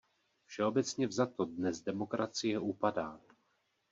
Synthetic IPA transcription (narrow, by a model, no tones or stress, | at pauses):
fʃɛo̞bɛt͡sɲɛvzat̪o̞dnɛzdɛmo̞kɾʔat͡sɪjɛuːpadaː